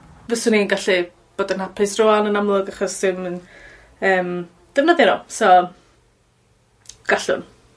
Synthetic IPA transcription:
vəsʊninɡaɬi | b̥oːdənhapʰɪsrʊanənamlˠʊɡaχɔssɪmən | əːm | d̥əvnəðaɾɔsɔ | ɡ̥aɬʊ̰n

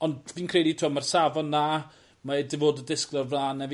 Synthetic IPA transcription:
ɔndviːnkʰrejditʰʊmarsavɔnːaː | maedɪvoːdədɪsklɔrvlˠaːnːɛv

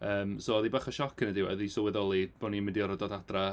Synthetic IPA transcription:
əːmsoːɔðibaχɔʃɔkʰənədɪwə̰ðisɔwɛðɔlˠib̥ɔnimɪndiɔɾɔdɔdadra

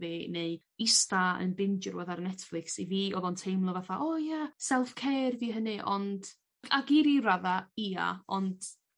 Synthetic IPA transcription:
vineɨ | ɪstaə̰nbɪnd͡ʒərwɛðarnɛtflˠɪksiviːɔðɔntʰejmlˠɔvaθaʔɔjasɛlˠfkʰejrdiːɦənɨʔɔnd̥ | aɡiɾiraðaiːa̰ɔnd̥

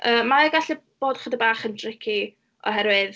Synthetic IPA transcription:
əːmaɛɡaɬɨb̥oːdχədəbaːχəndrɪkʰi | ɔ̰ɦɛɾwɨð

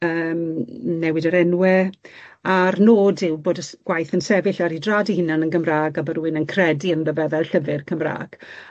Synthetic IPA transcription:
əːmnɛwɪdəɾɛnwɛ | arnoːdɪwboːdəsɡ̥wajθənsɛvɪɬaɾidradihɪnanənɡəmraːɡabəɾuɪnənkʰrɛdiənləvɛvɛlˠɬəvɪrkʰəmra̰ːɡ̥

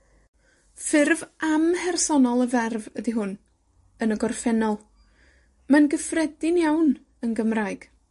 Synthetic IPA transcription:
fɪrvamhɛrsɔnɔlˠəvɛrvədiɦʊn | ənəɡɔrfɛnɔlˠ | manɡəfrɛdɪnjawn | ənɡəmraɨɡ̥

